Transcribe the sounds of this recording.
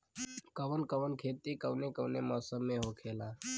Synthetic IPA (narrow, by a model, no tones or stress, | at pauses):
kəʋənkəʋənkʰeːt̪ikəwnekəwnemɔːsəmːẽɦokʰeːla